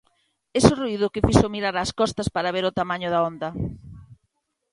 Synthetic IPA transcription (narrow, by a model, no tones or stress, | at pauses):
esʊruiðʊkɪfiʃomiɾaɾaːskɔst̪ɐspaɾɐβeɾʊt̪amaɲʊðaond̪ɐ